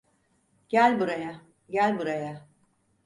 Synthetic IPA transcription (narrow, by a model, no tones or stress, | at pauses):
ɟ̥ælʲbuɾaja | ɟælʲbuɾaja